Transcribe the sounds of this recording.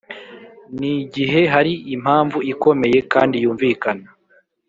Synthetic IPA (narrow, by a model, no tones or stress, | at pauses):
niɟiɦe̞ɦaɾiim̥haːɱvuiko̞me̞je̞kaːndijuːɱvikana